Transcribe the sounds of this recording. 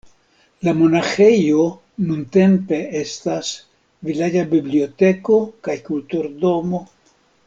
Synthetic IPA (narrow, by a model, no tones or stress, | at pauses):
lamo̞naxe̞jo̞ | nunt̪e̞mpe̞est̪as | vilad͡ʒabiblio̞t̪e̞ko̞kajkult̪uɾd̪o̞mo̞